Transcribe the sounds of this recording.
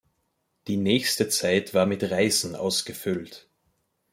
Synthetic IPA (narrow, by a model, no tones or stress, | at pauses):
d̥iːnɛːçstət͡saɪtv̥aːɐmɪtʁaɪzn̩ʔa̰ʊsɡ̥əfʏlt